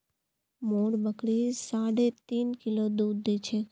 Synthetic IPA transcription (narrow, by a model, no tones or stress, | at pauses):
moɽbəkɽisaɽet̪iːnkilod̪ud̪et͡ʃʰe